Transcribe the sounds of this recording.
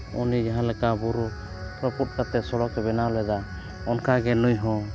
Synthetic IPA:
unid͡ʒaɦãlɛkabuɾu | p̪ɾɔput̪̚t̪at̪ɛsɔɽɔkɛbɛnaɔlɛd̪a | ɔnkaɡɛnujɦɔ̃

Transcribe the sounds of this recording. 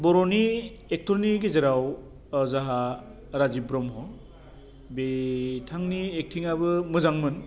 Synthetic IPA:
bɔɾɔni | ek̚tʰɔɾniɡezɯɾaw | zaɦa | ɾazibɾɔmɦɔ | betʰaŋniek̚tʰiŋabɯmɯzaŋmɯn

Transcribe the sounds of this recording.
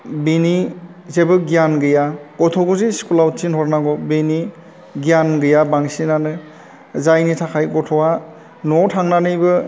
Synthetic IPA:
bini | zebɯɡijanɡɯjaɡ̥ɔtʰɔɡɔziskulawtsinhɔɾnaɡɔbini | ɡijanɡɯjabaŋsinanɯ | zajnitʰakʰajɡɔtʰɔwa | nɔtʰaŋnanɯjbɯ

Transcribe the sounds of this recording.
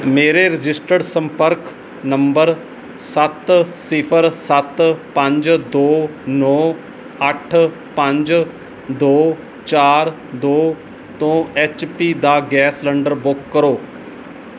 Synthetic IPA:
meːɾeɾɪd͡ʒɪsʈəɽsə̃mpəɾk | nɐ̃mbəɾ | sət̪sɪpʰəɾsət̪pə̃ɲd͡ʒd̪oːnɔː | əʈʰ | pə̃ɲd͡ʒ | d̪oː | t͡ʃaːɾ | d̪oː | t̪õːeːt͡ʃpiːd̪aɡɛːsləɳɖəɾbʊkːəɾoː

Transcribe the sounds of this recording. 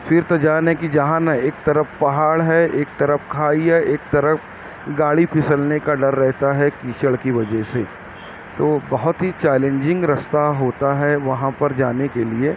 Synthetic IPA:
fɪɾt̪ɐd͡ʒaːnɦɛkid͡ʒɐɦãnɐeːk̚t̪ɐɾəfpɐɦaːɽɦɛeːk̚t̪ɐɾəfkʰaːiɦɛʔeːk̚t̪ɐɾəf | ɡaːɽipʰɪsəlnekaɖɐɾːɛɦt̪aɦɛkiːt͡ʃəɭkiʋɐd͡ʒɛɦse | t̪oːbɐɦʊt̪ɦit͡ʃɛːlẽɲd͡ʒɪ̃ŋɡɾɐst̪aɦoːt̪aɦɛʋɐɦãpɐɾd͡ʒaːnekelie

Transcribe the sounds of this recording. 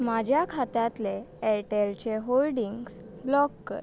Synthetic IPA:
mad͡ʑʱjakʰat̪ãt̪leeɾʈelt͡ɕeɦolɖiŋɡs | blɔkːə̰ɾ

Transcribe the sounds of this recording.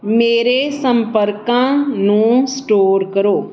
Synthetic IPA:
meːɾesə̃mpəɾkãnũsʈoːɾkəɾoː

